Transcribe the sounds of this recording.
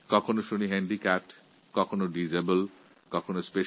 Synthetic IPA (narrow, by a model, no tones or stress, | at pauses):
kɔkʰonoʃuniɦɛɳɖikaʈ | kɔkʰonoɖizebəl | kɔkʰonospe